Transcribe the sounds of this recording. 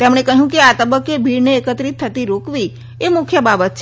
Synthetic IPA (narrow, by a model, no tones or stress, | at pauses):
t̪emɳ̃ekəɦjũkeat̪əbəkːebʱiɾneːkət̪ɾit̪ʰːət̪iɾokʋi | emʊkʰjəbabət̪t͡ʃʰ